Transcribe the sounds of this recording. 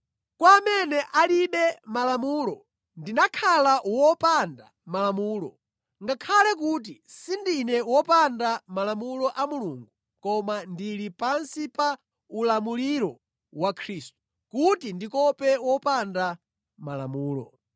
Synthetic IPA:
kwaːmɛnɛʔaliɓɛmalamuːlɔ | ndinakʰalawɔpanda̰ | malamuːlɔ̰ | ŋɡakʰalɛk̬ut̬isindinɛwɔpandamalamulɔʔamuluːŋɡu | kɔmandilipansipa | ulamuliɾɔ | wakʰɾiːstu̥ | kutindikɔpɛwɔpanda | mala̰muːlɔ̰

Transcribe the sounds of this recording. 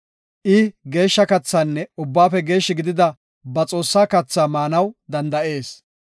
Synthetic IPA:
ʔɪɡe̞ːʃːɐkɐt͡sːaːnːɛʊbːaːfɛɡe̞ːʃːɪɡɪd̪ɪd̪ɐ | bɐt͡sʼo̞ːsːaːkɐt͡sːaːmaːnɐwd̪ɐnd̪ɐʔe̞ːs

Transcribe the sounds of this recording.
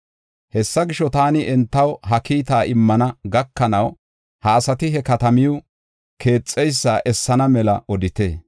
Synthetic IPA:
hɛsːɐɡɪʃːɔt̪aːnɪʔɛnt̪ːɐwɦɐkiːt̪aːʔɪmːɐnɐɡɐkːɐnɐw | hɐːsɐt̪ɪɦɛkɐt̪ɐmɪjʊ | kʰe̞ːt͡sʼːɛjsːaːʔɛsːɐnɐmɛlɐ̰ʔɔd̪ɪt̪ḛː

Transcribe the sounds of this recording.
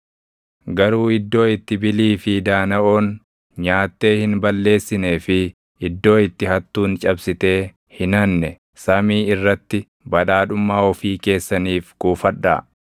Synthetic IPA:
ɡɐɾuːɪd̪ːo̞ːɪt̪ːɪbɪliːfɪd̪aːnɐʔo̞ːn | ɲaːt̪ːe̞ːhɪnbɐlːe̞ːsːɪne̞ːfɪ | ɪd̪ːo̞ːɪt̪ːɪhɐt̪ːuːnt͡ʃʼɐbsɪt̪e̞ː | hɪnɐnːɛ | sɐmiːɪrːɐt̪ːɪ | bɐᶑaːᶑʊmːaːɔfiːke̞ːsːɐniːfɡ̥uːfɐᶑːa̰ː

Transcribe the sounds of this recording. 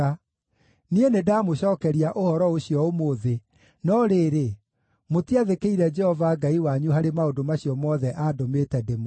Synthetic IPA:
a | nienedaːmoɕɔːkɛɾiaʔohɔɾɔoɕjɔomoðe | nɔɾeːɾe | motiaðekeiɾɛd͡ʒɛhɔvaɡaiwaɲuɦaɾemaodomaɕiɔmɔðɛʔadometɛdemo

